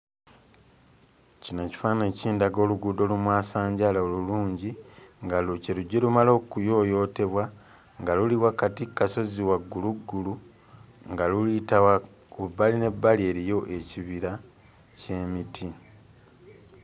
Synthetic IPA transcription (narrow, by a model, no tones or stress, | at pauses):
cino̞ci̥faːne̞ːciːndaɡo̞ːluɡuːdo̞lumwaːsaːɲɟalaoluluːɲɟiŋɡaluceluɟːelumalo̞ːkujo̞ːjo̞ːte̞βwa | ŋɡaluliwakatikːaso̞ziwaɡːuluɡːulu | ŋɡalulitawa | obaline̞bːalie̞ɾijo̞ʔe̞ciβiɾa | ce̞ːmitʰi